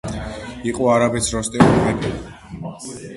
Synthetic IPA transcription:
iqʼɔaɾabɛsɾɔst̪ʼɛimɛbi

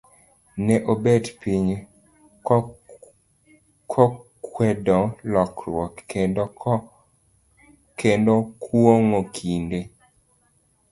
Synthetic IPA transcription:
nɛʔobɛdpiɲ | kʰɔ | kwɛdɔlɔkɾwɔkːend | kʰendokʰwoŋokʰinde

